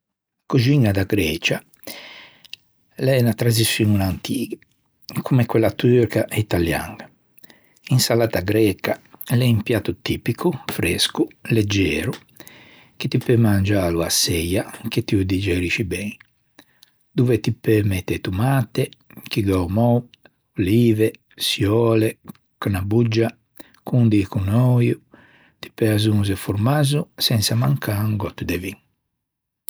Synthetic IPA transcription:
kud͡ʒinːad̪aɡɾɛːt͡ʃa | lɛnat̪ɾazisununant̪ʰiːɡɛ | kʰumɛkːwɛlːat̪yɾkaʔit̪alja̰ŋɡa | insalaːt̪aɡɾɛːkalɛimpjaːt̪ːut̪iːpikʰufɾɛskulɛd͡ʒːɛːɾu | ket̪ipɛmand͡ʒaːluasːɛjak̟et̪ːiud̪id͡ʒɛɾit͡ʃibɛŋ | d̪uvɛt̪ipːɛmɛt̪ːɛt̪umaːt̪ɛk̟iɡɔmɔw | liːvɛ | sjɔːlɛ | kanabud͡ʒːa | kund̪ikunɔju | t̪i̥pːɛazunzɛfuɾmazusɛnsamaŋkʰaŋɡɔt̪ːud̪ɛviŋ

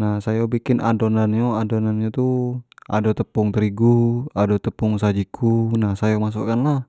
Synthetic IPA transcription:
nahsajabikɪnʔa̰donanɲoadonanɲot̪uʔa̰dot̪əpʊŋt̪əɾiɡuadot̪əpʊŋsad͡ʒikʰunahsajamas̬ṵʔkanlah

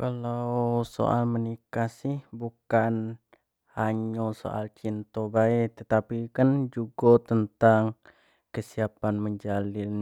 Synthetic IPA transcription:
kalawso̰ʔalmənikasɪhbukan | haɲoso̰ʔa̰lt͡ʃint̪obait̪ət̪apikənd͡ʒuɡot̪ənt̪aŋ | kəsiapanməɲd͡ʒalɪn

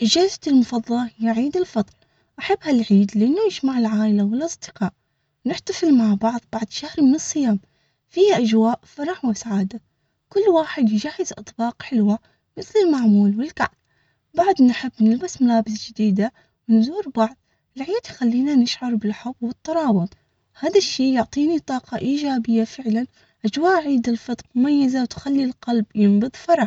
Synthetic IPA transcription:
ʔɪd͡ʒaːzat̪ɪlmʊfɑðˤːɑlɑhɪjːaʕiːd̪ɪlfɑd̪ˤl | ʔaħabːhalʕiːd̪lɪʔanːujɪd͡ʒmaʕɪlʕaːʔɪlawɪlʔɑsˤd̪ɪqɑːʔ | wnɪħt̪afɪlmaʕbɑʕðˤbɑʕd̪ˤʃahɾmɪnɨsˤːɨjaːm | fiːhaʔad͡ʒwaːʔfɑɾˤɑħwɪsaʕaːd̪a | kʊlːwaːħɪd̪jɪd͡ʒaːhːɪzʔɑ̰t̪ˤbɑːqħɪlwa | mɪθlɪlmaʕmuːlwɪlka̰ʕb̚ | baʕd̪nħɪbːnɪlbasmʊlaːbɪs̬d͡ʒɪd̪iːd̪a | wɪnzuːɾbaʕd̪̚ˤ | laʕjaːt̪jxalːiːnanɪʃʕɑɾˤbɪlħʊbwɨt̪ˤːɑɾˤɑːwʊðˤ | haːðaʃːiːjʊʕt̪ˤiːnit̪ˤɑːqɑʔiːd͡ʒaːbɪjːafɪʕlan | ʔad͡ʒwaːʔʕiːd̪ɪlfɨt̪ˤɾmʊmajːazawt̪xalːilqɑlbjɪmbɨðˤfɑɾˤɑħ

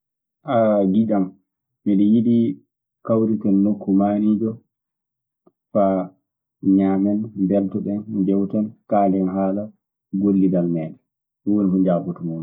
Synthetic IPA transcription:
ʔaɡiɗam | miɗɛjiɗi | kawɾitɛnːokʰːumaːnid͡ʒɔ | fa | ɲaːmɛnbɛltɔɓɛnd͡ʒɛwtankaːlɛnɦaːla | ɡolːidalmɛːɗɛ | wonihud͡ʒabutumun

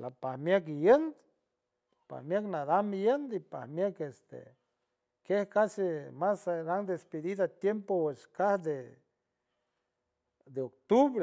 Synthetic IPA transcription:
lapahmjakijend̪ | pa̰hmjaknaðamijənd̪ipahmjakest̪ḛ | kehkasemasɾaŋd̪espeðiðat̪jempoweskahd̪e | d̪eok̚t̪uβɾe

